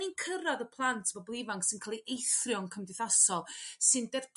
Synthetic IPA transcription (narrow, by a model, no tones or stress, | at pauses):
inkʰəɾaðəpʰlˠantʰvɔblˠɪvaŋksɨnkʰaːlˠiʔejθrjɔnkʰəmdɪθasɔlˠsɨndɛr